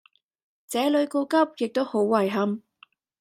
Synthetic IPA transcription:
t͡sɛː˨˥lɵ˨˧ɥko˧wkɐ˥p̚jɪ˨k̚t̪o˥who˨˥wːɐ˨˩jɦɐ˥m

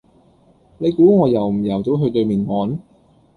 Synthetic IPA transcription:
ne˨˧jkuː˨˥ŋɔː˨˧jɐ˨˩wm̩˨˩jɐ˨˩wto˨˥wɦɵ˧ɥt̪ɵ˧ɥmiː˨˩nŋɔː˨˧n

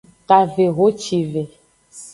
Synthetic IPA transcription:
ta˨ve˨ɣo˨˦t͡ʃi˨ve˨

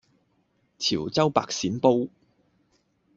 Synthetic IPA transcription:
t͡sʰiː˨˩wt͡sɐ˥wpa̰ː˧k̚siː˨˥npo˥w

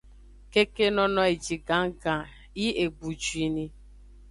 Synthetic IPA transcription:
ke˦ke˦nɔ˦nɔ˦e˨d͡ʒi˨ɡa˨˦ŋ̩˦ɡa˨ | i˦e˨ɡ͡bu˨d͡ʒu˨i˦ni˦

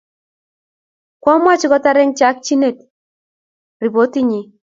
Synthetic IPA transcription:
kwɔ˦mwa˦˨t͡ʃɪ˦kɔ˦ta˦ɾɛ˦ŋt͡ʃa˦k̚t͡ʃi˦ne˦˨t | ri˨bo˨˦ti˦ɲi˨

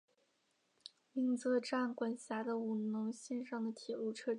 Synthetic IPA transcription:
mi˥ŋt͡sɤ˥˧ʈ͡ʂa˥˩nkwa˨˩nɕja˧˥d̪ə˧u˨˩nʊ˧˥ŋɕɛ˥˧nʂɑ˥˩ŋd̪ə˩t̪ʰjɛ˨˩lu˥˩ʈ͡ʂʰɤ˥

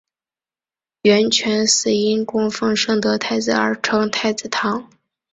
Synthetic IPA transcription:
ɥɛ˧˥nt͡ɕʰɥɛ˧˥nsɹ̩˨˩i˥nkʊ˥ŋfɤ˥˧ŋʂɤ˥˩ŋt̪ɤ˧˥t̪ʰa˥˩ɪd͡zɹ̩˨˩ə̰˞˧˥ʈ͡ʂʰɤ˧˥ŋt̪ʰa˥˩ɪt͡sɹ̩˨˩t̪ʰɑ˧˥ŋ

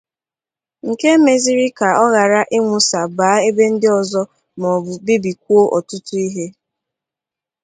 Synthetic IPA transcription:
ŋ̩˨ke˦me˨zi˦ɾi˦ka˨ɔ˦ɣa˨ɾa˦ʔɪ˦ŋʷʊ˨sa˨baː˨˦e˦be˦n̩˦dɪ˦ɔ˨zɔ˦ | mɔ˨bʊ˨bi˦bi˨k̚ʷu˦o˦ʔɔ˨tʊ˦tʊ˦i˦ɦe˦

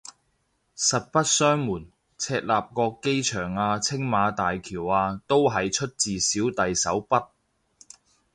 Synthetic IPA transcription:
sɐ˨t̚pɐ˥t̚sœː˥ŋmuː˨˩n | t͡sʰɛː˧k̚laː˨p̚kɔː˧kːe˥jt͡ʃʰœː˨˩ŋaː˧t͡sʰɪ˥ŋmaː˨˧t̪aː˨jkʰiː˨˩waː˧t̪o˥wɦɐ˨jt͡ʃʰɵ˥t̚t͡siː˨siː˨˥wt̪ɐ˨jsɐ˨˥wpɐ˥t̚

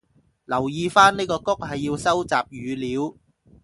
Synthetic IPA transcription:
lɐ˨˩wjiː˨˧faː˥nniː˥kɔː˧kʊ˥k̚hɐ˨jːiː˧wsɐ˥wt͡saː˨p̚jyː˨˧liː˨˧w

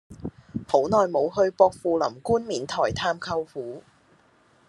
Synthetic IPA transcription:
ho˨˥wnɔː˨˧jmo˨˧wɦɵ˧ɥpɔː˧k̚fuː˧lɐ˨˩mkuː˥nmiː˨˩nt̪ʰɔː˨˩jt̪ʰaː˧mkʰɐ˧wfuː˨˥

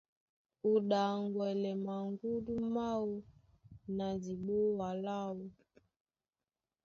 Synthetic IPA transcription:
u˨ɗa˨ŋɡwɛ˨lɛ˨ma˨ŋɡu˦du˦ma˦wu˦ | na˨zi˨ɓo˦wa˨la˦wu˨

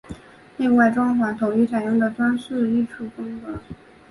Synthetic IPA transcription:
ne˥˧ɪwa˥˩ɪʈ͡ʂʊ˥ŋxwa˧˥t̪ʰo˨˩ŋy˧˥t͡sʰa˨˩jʊ˥˩ŋd̪ə˨t̪wa˥nʂ̩˥˧i˥˧ʈ͡ʂʰu˥˩fɤ˥ŋkɤ˧˥

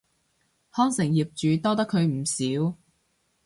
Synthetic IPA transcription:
hɔː˥ŋsɪ˨˩ŋjiː˨˩p̚t͡ʃyː˨t̪ɔː˥t̪ɐ˥kʰːɵ˨˧ɥm̩˨˩siː˨˥w

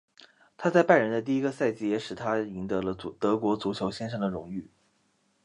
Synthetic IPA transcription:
t̪ʰa˥t͡sa˥˧ɪpa˥˩ɻə˧˥nd̪ə˧t̪̬i˥˩i˥ɡə˧sa˥˩ɪt͡ɕi˧˥˩jɛ˧˥ʂɻ̩˨˩t̪ʰa˥i˧˥ŋt̪ɤ˧˥lə˧t͡su˨˩t̪ɤ˧˥kwɔ˧˥t͡su˧˥t͡ɕʰjo˧˥ʊɕjɛ˥nʂɤ˥˩ŋd̪ə˩ɻʊ˧˥ŋy˥˩

